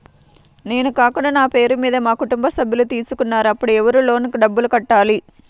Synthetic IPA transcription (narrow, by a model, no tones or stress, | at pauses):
ne̞ːnukaːkuɳɖɐnaːpe̞ːɾumiːd̪ɐmaːkuʈumbɐsɐbʱjilut̪iːsukunːaːɾuɐpːuɽuɛʋɐɾulo̞ːnikuɖɐbːulukɐʈːaːli